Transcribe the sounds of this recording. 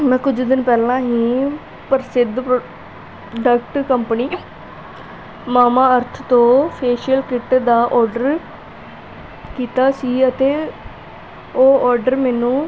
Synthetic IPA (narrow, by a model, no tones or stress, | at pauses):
mɛ̃ːkʊd͡ʒd̪ɪnpɛːlãːɦĩː | pəɾsɪd̪p | ɖəkʈkəmpəniː | maːmãːəɾt̪ʰt̪õːpʰeːʃəlkɪʈd̪aːʔɔːɾɖəɾ | kiːt̪aːsiːət̪eː | oːɔːɾɖəɾmɛːnũː